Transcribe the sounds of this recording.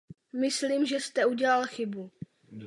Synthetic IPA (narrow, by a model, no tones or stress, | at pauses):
mɪsliːmʒɛst̪ɛuɟɛlalxɪbu